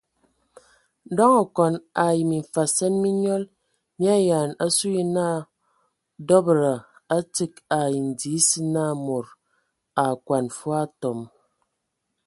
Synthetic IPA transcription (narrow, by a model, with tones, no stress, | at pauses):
dɔ˦ŋa˨kɔ˨na˨ji˨mi˨ɱ̩˨fa˨sɛ˦nmi˦ɲɔ˦l | mi˦a˦ja˨na˦su˦ji˦na˦ | dɔ˦bɾə˨a˦ti˦ka˨ji˨n̩˨di˨˦si˦na˦˨mo˨ɾ | a˨kwa˨nfwa˦tɔ˨m